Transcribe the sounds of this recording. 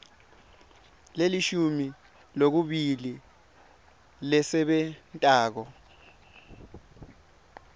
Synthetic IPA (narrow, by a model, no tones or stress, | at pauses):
leliʃumi | lok̬uɓili | lɛsɛɓɛntʼaːk̬ɔ